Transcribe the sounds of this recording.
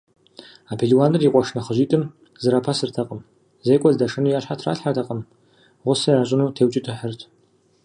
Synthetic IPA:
aːpʰeɮiwaːnɨrjiqʷʼɔʂnɐχəʑʷiːtʼɨm | zɨɾaːpʰasɨrtʰɐqʼəm | zejkʷʼɔzdɐʂɨnuːjaːɕħatʰra̰ːɬħartʰɐqʼəm | ʁʷʊsɐraːɕʼɪnuːtʰeːwt͡ʃʼɪtʰɨħərtʰ

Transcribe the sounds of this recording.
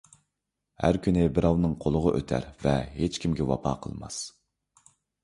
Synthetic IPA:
hæ̰ɾkʲʰynɪbɪɾɑwnɨŋqʰolˠəʁəʔøt̪ʰæ̰ɾvɛhet͡ʃkʲʰimɡʲɛwɑ̰pʰɑ̰ːqʰəlˠmɑ̰s

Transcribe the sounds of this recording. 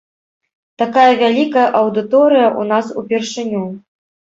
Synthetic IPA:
t̪akajɐvʲalʲikɐjɐʔɐwd̪ɨt̪ɔɾɨjɐʔunasupʲɛrʂɨnʲu

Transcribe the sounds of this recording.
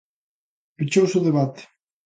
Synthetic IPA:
pit͡ʃowsuðeβat̪e̥

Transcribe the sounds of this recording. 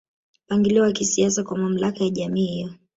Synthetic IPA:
paŋɡiliwakisias̬akwamam̩lakajaʄamiːhijɔ

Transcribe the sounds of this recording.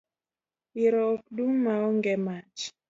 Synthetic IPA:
iɾɔkduŋmaɔŋɡɛmat͡ʃ

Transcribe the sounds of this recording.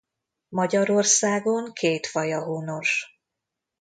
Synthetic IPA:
mɒɟɒɾo̞rsaːɡo̞ŋkʰeːt̪fɒjɒɦoːno̞ʃ

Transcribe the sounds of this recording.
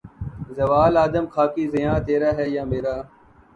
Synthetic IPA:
zəʋaːlaːd̪əmkʰaːkiːzɪjãːt̪eːɾaːɦɛːjaːmeːɾaː

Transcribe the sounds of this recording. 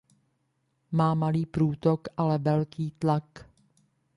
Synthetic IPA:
maːmaliːpɾuːt̪okʔalɛvɛlkiːt̪lak

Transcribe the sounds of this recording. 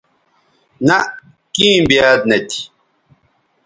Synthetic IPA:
na | kĩːmbiaːd̪̚net̪ʰi̥

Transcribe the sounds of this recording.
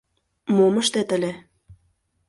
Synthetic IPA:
moməʃt̪et̪ə̆lʲe

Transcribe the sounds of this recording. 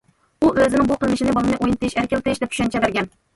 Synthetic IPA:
uʔøzɪnɪŋbuqʰəlˠnɪʃɪnɪbɑlɨnɨʔojnt̪ʰɨiʃæɾkʲɛlt̪ʰɨjɪʃd̪ɛp̚t͡ʃʰy̥ʃɛnt͡ʃʰɛbæɾɡʲɛn

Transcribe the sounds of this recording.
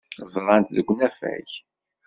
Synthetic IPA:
zˤɾˤɑnt̪ðəɡʷnæfæ̰ç

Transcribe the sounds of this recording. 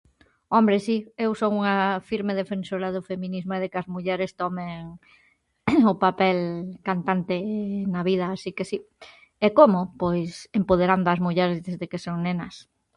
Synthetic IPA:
ɔmbɾesiewsoŋuŋɐfiɾmeðefẽnsoɾaðʊfemĩnizmʊɛðekɐzmuʎɛɾest̪ɔmeŋ | ʊpapɛlkant̪ant̪enaβiðɐːsikesi | ɛkomʊpojsempoð̞eɾand̪ʊɐzmuʎɛɾezðezðekesoŋnenɐs

